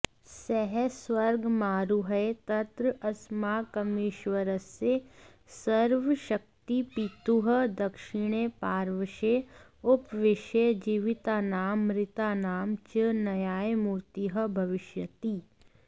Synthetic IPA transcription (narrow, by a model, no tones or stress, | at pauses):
sɛɦɛswəɾɡmaːɾuɦəet̪ɐt̪ɾəɐsmaːkɐmɪʃwəɾəsːe | səɾʋəʃək̚t̪ipiːt̪uɦəd̪ɐkʃɪɽ̃epaːɾʋəʃe | ʊpʋɪʃejd͡ʒiːʋɪt̪aːnaːmːɾɪt̪aːnaːmt͡ʃənɐjaːemuːɾt̪iɦəbʱɐʋɪʃjət̪iː